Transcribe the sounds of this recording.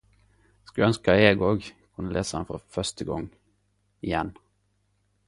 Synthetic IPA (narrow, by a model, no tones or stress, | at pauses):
skʉœnskəeːɡoːɡkʰʉnəleːsəɑnfɔ̰fœʂt̪əɡɔ̰ŋ | ɪjɛn